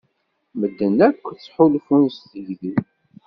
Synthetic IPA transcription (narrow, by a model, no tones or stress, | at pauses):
məd̪ːənækʷːθt͡sːħʊlfunsθəʝði